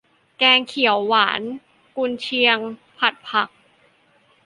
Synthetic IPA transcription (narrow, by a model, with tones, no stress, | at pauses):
kɛː˧ŋkʰi˩˦əwːaː˩˦n | ku˧nt͡ɕʰi˧əŋpʰa˨˩t̪̚pʰa˨˩k̚